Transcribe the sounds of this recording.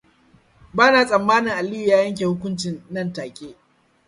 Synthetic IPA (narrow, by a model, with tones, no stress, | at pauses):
baː˦naː˨sʼɐ˨mːaː˦nɪ˨ŋʔa˨lɪ˦ju˨jaː˦jɐ˦ŋk̬ʲeː˨hʊ˦kʷʊ˦nt͡ʃɪ˨nːɐ˦˨ntaː˨kʲʼeː˦